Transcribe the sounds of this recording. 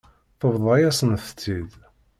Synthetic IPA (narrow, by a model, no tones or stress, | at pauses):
θəvðˤɑjæsənθət͡sːið